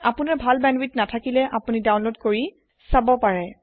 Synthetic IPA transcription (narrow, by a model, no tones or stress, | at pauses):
apunaɹbʱalbɛnwitnatʰakilɛʔapunidawnlodkoɹi | sabɔpaɹɛ